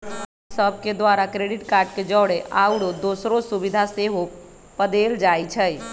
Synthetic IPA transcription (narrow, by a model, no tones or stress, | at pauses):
səb̚ʱked̪ʋaɾakɾeɖiʈkaɾɖ̚ked͡ʒɔɽeʔawɽod̪osɾosubid̪ʱaseɦo | pəd̪eld͡ʒajt͡ʃʰəj